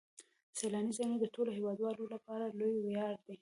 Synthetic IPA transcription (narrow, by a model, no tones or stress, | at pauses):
selɑnizaned̪əʈoloɦewɑd̪wɑlolapɑɾalojwjɑɽd̪i